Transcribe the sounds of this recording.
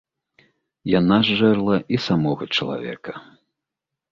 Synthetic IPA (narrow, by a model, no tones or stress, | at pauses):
janaʐːɛrlˠɐʔisamɔɣɐt͡ʂɐlˠa̰vʲɛ̰kɐ̥